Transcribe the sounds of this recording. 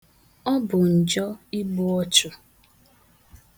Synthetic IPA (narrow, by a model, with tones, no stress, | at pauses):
ɔ˦bʊ˨n̩˨d͡ʒɔ˦i˦bʊ˦ɔ˦t͡ʃʊ˦